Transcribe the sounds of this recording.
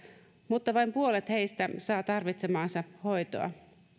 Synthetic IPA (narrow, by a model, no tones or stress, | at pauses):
mut̪ːɑʋɑjmpuole̞t̪he̞jst̪æsɑːt̪ɑrʋit̪se̞mɑːnsɑho̞jt̪o̰ɑ̰